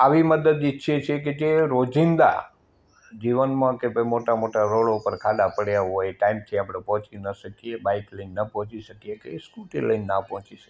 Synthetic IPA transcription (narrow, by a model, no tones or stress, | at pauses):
aʋiməd̪əd̪itːʃʰet͡ʃʰeked͡ʒeɾod͡ʒind̪a̰ | d͡ʒiʋənmãkebəmoʈamoʈaɾoɭoupəɾkʰad̪apəɽjaɦojʈaimt̪ʰiapɽ̃epɔɦt͡ʃinəʃəkijebaikləinnəpɔɦɔ̃t͡ʃiʃəkijekeskuʈḛləjnnapɔɦɔ̃t͡ʃiʃə̥k